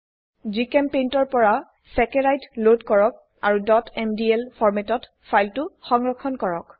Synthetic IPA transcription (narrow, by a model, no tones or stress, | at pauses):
zikɛmpentɔɹpɔɹa | sɛkeɹajtlodkɔɹɔk̚ | a̰ɹudɔtɛmdiɛlpʰɔɹmɛtɔt | fʰajltʊxɔŋɹɔkʰɔnkɔɹɔk